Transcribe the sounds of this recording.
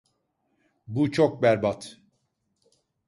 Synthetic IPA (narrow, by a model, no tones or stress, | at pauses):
but͡ʃʰok̚bæɾbat̪ʰ